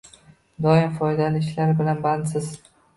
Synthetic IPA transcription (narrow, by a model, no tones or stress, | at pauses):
d̪ɒɪmfɒjd̪alɪʃlaɾbɪlanband̪sɪz̥